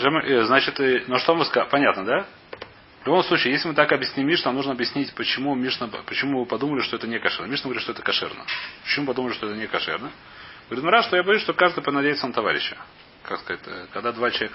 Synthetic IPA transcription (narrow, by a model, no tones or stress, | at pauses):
ʐəmɨʔəznat͡ɕɪt̪ənoʂt̪o̞mɨskpɐnʲat̪nəd̪a | vlʲʊbo̞msˠut͡ɕiːjesʲlʲɪmɨt̪akɐbjɪsʲnʲimʲːiʂnanuʐnəɐbjɪsʲnʲitʲpət͡ɕɪmumʲiʂnəpət͡ɕɪmuɨpɐd̪uməlʲɪʂt̪oɛt̪ənʲekɐʂɛrnəmʲiʂnəɡvɾʲit̪ʂt̪ɛt̪əkɐʂɛ̰rnə̰pə̥t͡ɕɪmupɐd̪uməlʲɪʂt̪oɛt̪ənʲɪkɐʂɛ̰rnə | ɡ̥əvɐɾʲit̪mɐɾaʂt̪ojabɐjusʂt̪okaʐd̪ɨjpɪnɐdʲejɪt̪sənət̪ɐva̰ɾʲɪ̰ɕːɪ̥ | kakskɐzatʲəkɐɡd̪ad̪vat͡ɕɪlˠvek